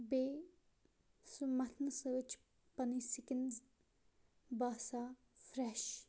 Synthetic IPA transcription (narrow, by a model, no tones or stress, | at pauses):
beː | sumɐt̪ʰnɨsəʋt͡ʃʰ | pɐnisikənz | baːsaː | fɾɛʃ